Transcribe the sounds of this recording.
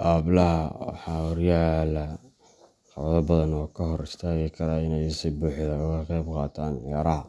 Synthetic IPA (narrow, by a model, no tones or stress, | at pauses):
ʔaːblɐɦɐwɑ̰ħɑːwɔrjaːlɐ | qɑwðɐbɐðɐnɔːkʰɐɦɔɾɪst̪ʰaːɣikʰɐɾaɪnɛjɪsibuːħɪðɐʊɣɐqɛjbqɑːt̪ʰaːnʕjaːɾɐɦɐ